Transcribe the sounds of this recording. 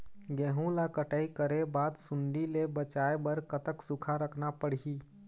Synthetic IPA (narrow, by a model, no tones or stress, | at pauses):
ɡeɦũlakəʈəikəɾebat̪sund̪ilebət͡ʃaebəɾkət̪əksukʰaɾəkʰnapəɽ̤ɦi